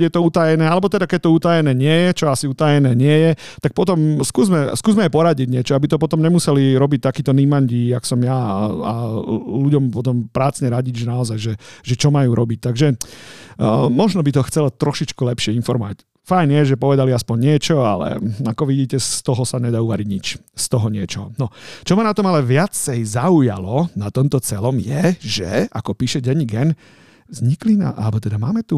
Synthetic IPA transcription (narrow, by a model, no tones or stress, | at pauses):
jɛt̪ɔut̪ajɛnɛːalɛbɔt̪ɛd̪akɛɟt̪ɔut̪ajɛnɛːɲɪɛjɛt͡ʃɔasiut̪ajɛnɛːɲɪɛjɛ | t̪ak̚pɔt̪ɔmskuːzmɛskuːzmɛɛpɔɾaɟiɟɲɪɛt͡ʃɔabit̪ɔpɔt̪ɔmɲɛmusɛliɾɔbic̚t̪akiːt̪ɔnimaɲɟiaksɔmjaa̰luɟɔmpɔt̪ɔmpɾaːt͡sɲɛɾaɟiɟʒɛnaɔzajʒɛʒɛt͡ʃɔmajuːɾɔbic̚t̪aɡʒɛ | mɔʒnɔbit̪ɔxt͡sɛlɔt̪ɾɔʃit͡ʃkulɛpʃɪɛinfɔɾmɔʋa̰c | fajnɪjɛʒɛpɔʋɛd̪aliaspɔɲːɪɛt͡ʃɔalɛ̰akɔʋiɟiːcɛst̪ɔɦɔsaɲɛd̪aːuʋaɾiɟɲit͡ʃst̪ɔɦɔɲɪɛt͡ʃɔnɔt͡ʃɔmanat̪ɔmalɛʋɪat͡sɛjzauja̰lɔnat̪ɔmt̪ɔt͡sɛlɔmjɛʒɛ̰akɔpiːʃɛɟɛɲiɡɛn | zɲiklina̰ʔa̰lbɔt̪ɛd̪amaːmɛt̪u